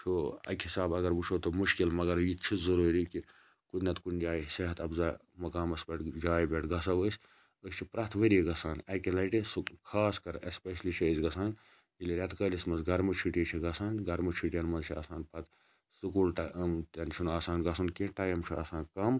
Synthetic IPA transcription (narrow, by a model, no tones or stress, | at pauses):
t͡ʃʰuɐ̰khisaːbɐɡɐɾbut͡ʃʰoːt̪omuʃkilmɐɡɐɾjitt͡ʃʰizɐɾuːɾiki | kut̪nɐt̪kunʲd͡ʒaːjsɐɦɐt̪ɐbzaː | mɐkaːmɐsbʲɐʈd͡ʒaːjbeʈɡɐsɐʋəːsʲ | əst͡ʃʰipɾɐt̪ʰʋəɾiiɡɐsaːnɐkilɐʈisukʰaːskɐɾɐspeʃɐlit͡ʃʰiəzɡɐsaːn | iliɾʲɐt̪kəːlʲismɐsɡɐɾmut͡ʃʰiʈit͡ʃʰiɡɐsaːnɡɐɾmut͡ʃʰiʈijɐnmɐnzt͡ʃʰia̰ːsaːnpɐt̪ | sukuːlʈamt̪ɐnt͡ʃʰunaːsaːnɡɐsunkeʈaːjɐmt͡ʃʰua̰ːsaːnkɐm